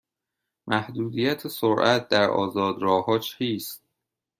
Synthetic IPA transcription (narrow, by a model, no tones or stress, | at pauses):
mʔæhd̪uːd̪ijæt̪ʰesoɾʔæt̪̚ʰd̪æɾʔɒ̰ːzɒːd̪ɾɒːhɒːt͡ʃʰiːst̪̚